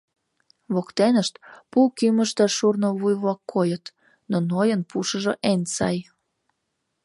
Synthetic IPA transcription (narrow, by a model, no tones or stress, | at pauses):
βokt̪enəʃt̪pulkyməʃt̪əʃurnoβujβlɑkːojət̪ | nonojənpuʃəʒoʔensɑj